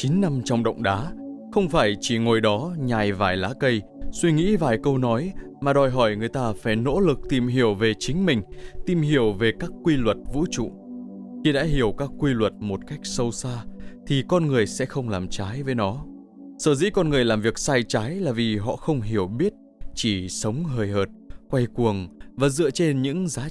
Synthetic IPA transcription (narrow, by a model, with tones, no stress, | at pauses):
t͡ɕi˨˦nːa˧mt͡ɕɔ˧wŋ͡mɗə̰˧˨wŋ͡mɗaː˨˦xə˧wŋ͡mfaː˧˩jt͡ɕi˧˩ŋo˨˩jɗɔ˨˦ɲaː˨˩jvaː˨˩jlaː˨˦kə˧j | swi˧ŋḭ˧˥vaː˨˩jkə˧wnɔ˨˦j | maː˨˩ɗɔ˨˩jɦɔ˧˩jŋɨ˨˩əjt̪aː˧faː˧˩jno̰˧˥lɨ˨˩k̚t̪i˨˩mɦi˧˩əwve˨˩t͡ɕï˨˦ŋ̟mï˨˩ŋ̟t̪i˨˩mɦi˧˩əwve˨˩kaː˦˥kːwi˧lwə˨˩t̚vṵ˧˥t͡ɕṵ˧˨ | xi˧ɗa̰ː˧˥ɦi˧˩əwkaː˦˥kːwi˧lwə˨˩t̚mo˨˩t̚ka˦˥jk̟̚sə˧wsaː˧t̪ʰi˨˩kɔ˧nŋɨ˨˩əjsɛ̰˧˥xə˧wŋ͡mlaː˨˩mt͡ɕaː˨˦jvə˨˦jnɔ˨˦ | səː˧˩zḭ˧˥kɔ˧nŋɨ˨˩əjlaː˨˩mvi˨˩ək̚saː˧jt͡ɕaː˨˦jlaː˨˩vi˨˩ɦɔ̰˧˨xə˧wŋ͡mɦi˧˩əwɓi˦˥ət̚ | t͡ɕi˧˩sə˨˦wŋ͡mɦəː˨˩jhəː˨˩t̚kwa˧jku˨˩əŋvaː˨˩zɨ̰˧˨ət͡ɕe˧nɲɨ̰˧˥ŋzaː˨˦